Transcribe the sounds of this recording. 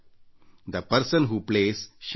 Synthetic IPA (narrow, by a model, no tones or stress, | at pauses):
d̪əpəɾsə̃nɦuːplesʃ